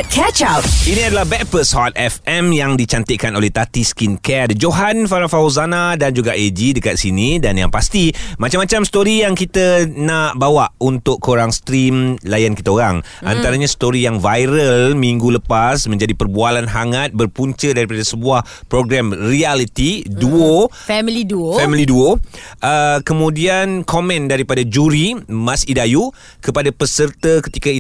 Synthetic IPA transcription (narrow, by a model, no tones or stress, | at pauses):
kʰɛt͡ʃat̚inĩadalahbɛk̚pəshɔt̪̚ɛfɛmjaŋdit͡ʃant̪əʔkanolɛht̪at̪iskinkɛdəd͡ʒoɦanfaɾafauzanadand͡ʒuɡaʔed͡ʒidəkat̪̚sinidanja̰ŋpast̪imat͡ʃamːat͡ʃamst̪oɾijaŋkit̪ənaʔbawaʔunt̪ʊʔkoɾaŋst̪ɾimlajankit̪əoɾaŋ | a̰nt̪aɾaɲãst̪oɾijaŋvajɾəlmiŋɡuləpasmə̃ɲd͡ʒadipərbualanɦaŋat̪̚bərpuɲt͡ʃədaɾipadasəbuah | pɾoɡɾamrialit̪iduofɛmiliduoffɛmiliduoʔəkəmũdiankʰomɛ̃ndaɾipadad͡ʒuɾimãsidaju | kəpadapəsərt̪əkət̪ikai